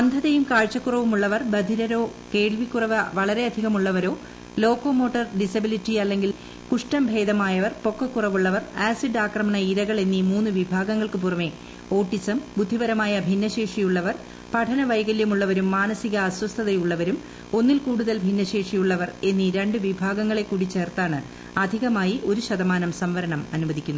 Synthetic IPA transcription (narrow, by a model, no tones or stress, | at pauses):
ɐnd̪ʱɐðejumkaːɻt͡ɕːɐkːurɐʋumuɭːɐʋɐrbɐd̪ʱiɾɐɾo̞ːke̞ːɭʋikːurɐʋɨʋɐɭɐɾe̞ɐd̪ʱiɣɐmuɭːɐʋɐɾo̞ː | lo̞ːkoːmo̞ːʈːɐrɖisɐbilitːiɐlːe̞ŋɡil | kuʂʈɐmbʱe̞ːd̪ɐmaːjɐʋɐrpo̞kːɐkːurɐʋuɭːɐʋɐraːsiɖaːkrɐmɐɳɐiɾɐɣɐɭe̞nːimuːnːɨʋibʱaːɡɐŋːɐɭkɨp̬urɐme | o̞ːʈːisɐmbud̪ʱːibɐɾɐmaːjɐbʱinːɐɕe̞ːʂijuɭːɐʋɐr | pɐʈʰɐnɐʋɐjɡɐljɐmuɭːɐʋɐɾumːaːnɐsiɣɐːswɐst̪ʰɐðɐjuɭːɐʋɐɾum | o̞nːilkuːɽuðɐlbʱinːɐɕe̞ːʂijuɭːɐʋɐre̞nːiɾe̞ɳɖɨʋibʱaːɡɐŋːɐɭe̞kːuːɽit͡ɕːe̞ːrt̪aːɳɨ | ɐd̪ʱiɣɐmaːjiʔo̞ɾuɕɐd̪ɐmaːnɐmsɐmʋɐɾɐɳɐmɐnuʋɐd̪ʱikʲːunːu